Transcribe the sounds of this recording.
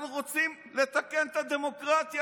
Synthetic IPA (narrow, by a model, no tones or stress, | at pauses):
nuʁot͡sim | le̞t̪ake̞nt̪ad̪e̞mo̞kʁat̪ja